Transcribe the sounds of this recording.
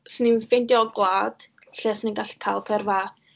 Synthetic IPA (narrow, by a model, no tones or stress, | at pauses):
sninfejndjɔɡlˠaːd̥ | ɬɛsninɡaɬkʰaːlˠkʰɛrva